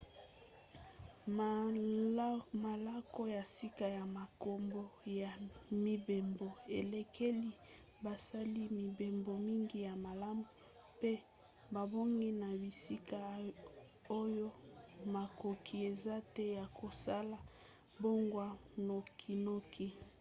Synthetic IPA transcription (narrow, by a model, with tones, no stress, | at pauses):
ma˨la˦ko˦ja˨si˦ka˨ja˨ma˨ko˨mbo˦ja˨mi˦be˨mbo˨e˨le˨kʰe˦li˦ | ba˨sa˦li˦mi˨be˨mbo˨mi˦ŋɡi˦ja˨ma˨la˦mu˨ | pe˦ | ba˨bo˦ŋɡi˦na˨bi˨si˦ka˦˨ | o˦jo˦ma˨ko˨kʰi˨e˨za˦tɛ˦ja˨kʰo˨sa˦la˨ | bo˦ŋɡwa˦no˨kʰi˨no˦kʰi˦